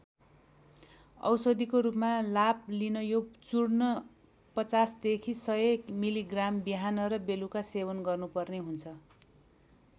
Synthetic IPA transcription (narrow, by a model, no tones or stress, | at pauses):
ʌ̰wsʌd̪ikoɾupmalaplinʌjot͡suɽnʌ | pʌt͡sasd̪ekʰisʌjekmiliɡrambiɦanʌɾʌbelukasebʌnɡʌrnupʌrneɦunt͡sʰʌ